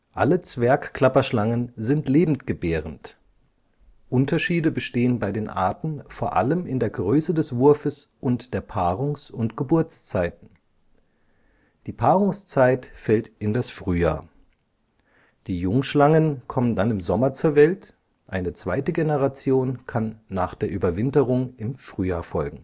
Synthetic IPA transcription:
ʔa̰lət͡sv̥ɛɐkkl̥apɐʃlaŋənzɪntleːbm̩tɡ̥əbɛːʁənt | ʔʊntɐʃiːdəbəʃteːənbaɪdeːnʔa̰ɐtn̩foːɐʔa̰ləmɪndeːɐɡʁøːsədɛsv̥ʊɐfəsʔʊntd̥eːɐpʰaːʁʊŋsʊntɡ̥əbʊɐt͡st͡saɪtn̩ | d̥iːpʰaːʁʊŋst͡saɪtfɛltɪndasfʁ̥yːja̰ːɐ | d̥iːjʊŋʃlaŋənkʰɔməndanɪmzɔmɐt͡suːɐvɛlt | ʔaɪnət͡sv̥aɪtəɡenəʁat͡sjoːnkʰanːaːχd̥eːɐʔyːbɐvɪntəʁʊŋɪmfʁ̥yːjaːɐfɔlɡŋ̩

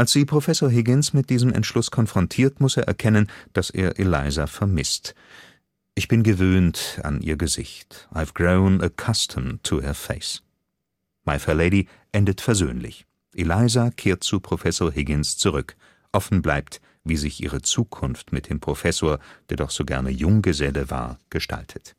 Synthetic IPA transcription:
ʔalsz̥iːpʁ̥ofɛsoːɐɦɪɡɪnsmɪt̚d̥iːzəmɛ̰ntʃlʊskʰɔnfʁ̥ɔntʰiːɐtmʊseːɐʔɛɐkʰɛnənd̥asḛːɐʔelaɪzafɛɐmɪst | ʔɪçb̥ɪnɡəvøːnta̰nʔḭːɐɡəzɪ̰çtʔaɪvɡ̥ʁoʊnəkʰastʰəmtʰuhəɐfeɪs | maɪfɛleɪɾi | ʔɛndətfɛɐzøːnlɪ̰ç | ʔelaɪzakʰeːɐt̚t͡supʁ̥ofɛsoːɐɦɪɡɪnst͡suʁʏk | ʔɔfn̩blaɪpt | viːzɪçʔḭːʁ̞ət͡suːkʰʊnftmɪt̚d̥eːmpʁ̥ofɛsoːɐd̥eːɐdɔχz̥oːɡɛ̰ɐnəjʊŋɡəzɛləva̰ːɐɡ̥əʃtʰa̰ltʰə̥t

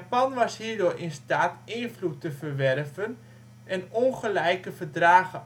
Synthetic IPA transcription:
apɔnʋɑshɦiːɹdoːrʔɪnstaːtɪːnflutəfərʋɛrvən | ɛnonχəlɛjkəfərdraːɣə

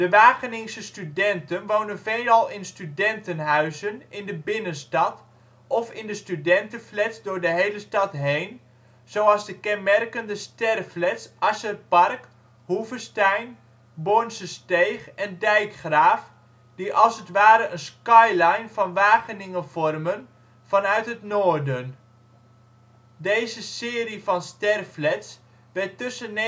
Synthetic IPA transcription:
d̥əʋaːχənɪŋsəstydɛntənʋownənvejlɑlˠɪnstydɛntənɦœɥzənɪndəbɪnənstɑt | ɔfɪndəstydɛntənflɛtzdʊːrdəɦejləstɑtɦejn | z̥owɑlˠzdəkɛnmɛrkəndəstɛrflɛtsʔasərpɑrk | huvəstɛjn | bonsəstejχɛndɛjkχraːf | diʔɑlˠsətʋaːɾəʔənskɑjlajnvɑnʋaːχənɪŋənvɔrmən | v̥ɑnœɥtɦətnoːrdən | dejzəsɪːrifɑnstɛrflɛts | ʋɛtːɵsən

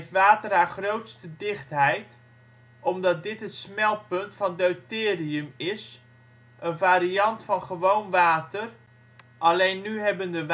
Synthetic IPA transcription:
ftʋaːtərɦaːɹχrowtstədɪχtɦɛjt | ʔɔmdɑt̚dɪtɦətsmɛlˠpɵntfɑndowtɪːriəmɪs | ʔənvaːɾiɑntfɑnχəʋownʋaːtər | ʔɑlejnːyɦɛbəndəʋ

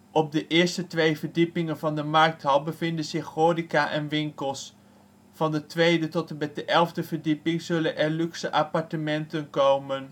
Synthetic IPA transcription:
ʔɔb̚dəʔɪːɹstətʋejvəɹdipɪŋənvɑndəmɑɹk̚tɦɑlˠbəvɪndənzɪχoːdikaːʔɛnʋɪŋkəlˠs | fɑndətʋejdətɔtbɛdəʔɛlˠvdəvəɹdipɪŋzɵlənʔɛɹlyksəʔapɑɹtəmɛntənkowmən

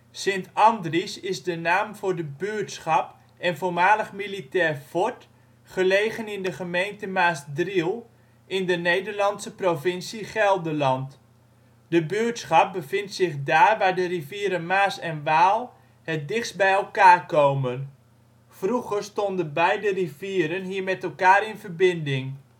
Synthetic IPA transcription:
sɪntɑndrisɪzdənaːmvʊːɹdəbyːtsχɑp | ɛnvoːɹmaːləχmilitɛːɹfɔt | χəlejχənɪndəχəmejntəmaːsdrilˠ | ɪndənejdəɹlɑntsəprovɪnsiχɛlˠdəlɑnt | dəbøətsχɑp̚bəvɪntsɪχdaːrʋaːɹdəriviːɾənmaːsɛnʋaːlˠ | hɛt̚dɪχsbɛjɛlˠkaːrkowmən | fruχərstondənbɛjdəriviːɾənɦiːɹmɛtɛlˠkaːɾɪnvərbɪndɪŋ

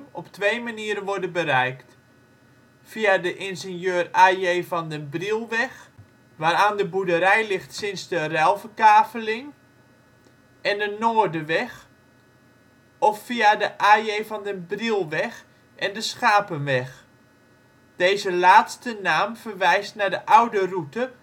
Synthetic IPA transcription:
ɔptʋejmaniəɾənʋɔɹdənbəɾɛjkt | fiadəʔɪnzɪnjøːraːjeːfɔndəbrilˠʋɛx | ʋaːɾaːndəbudəɾɛjlɪxtsɪnsdərɛlˠvəkaːfəlɪŋ | ʔɛndənoːrdəʋɛx | ɔfːiadəʔaːjejvɑndənbrilˠʋɛx | ʔɛndəsxaːpənʋɛx | d̥eːzəlaːtstənaːmfərʋɛjstnadəʔawdərutə

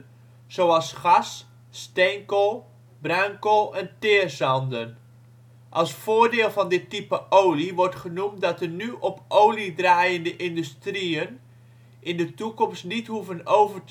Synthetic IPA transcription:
z̥owɑlˠsχɑsː | tɛŋkəlˠ | brœŋkəlˠɛntɪːɹzɑndən | ʔɑlˠsfʊːɹdɪːlˠvɑndɪtːipəʔowliʋɔɹtχənumt̚dɑtənyʔɔpowlidraːjəndəʔɪndystriən | ʔɪndətukɔmstnitɦuvənowvəɹt

